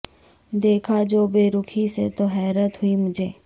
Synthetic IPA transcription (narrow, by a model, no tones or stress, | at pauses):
d̪eːkʰad͡ʒoːbeːɾʊkʰiset̪oɦɛːɾət̪ɦʊimʊd͡ʒʱeː